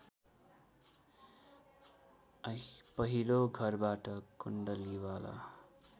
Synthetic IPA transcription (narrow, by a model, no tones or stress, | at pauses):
ʌpʌɦiloɡʱʌrbaʈʌkuɳɖʌliwala̰